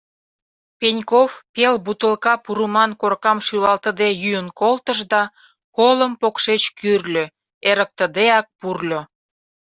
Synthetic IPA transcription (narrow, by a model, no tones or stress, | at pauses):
penʲkofpelbut̪əlkɑpuɾəmɑnkorkɑmʃylɑlt̪əd̪ejyjənkolt̪əʒd̪ɑ | koləmpokʃet͡ɕkyrlʲø | eɾək̚t̪ə̆d̪eɑk̚purlʲo